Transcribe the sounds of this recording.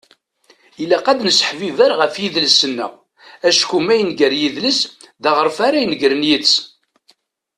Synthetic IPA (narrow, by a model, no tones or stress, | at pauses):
ilːæqæd̪nəsə̥ħvivæɾʁəfjiðləsənːæ̰ | æʃkumæjənɡəɾjiðləsðæʁəɾfaɾæjnəɡɾənjit͡sː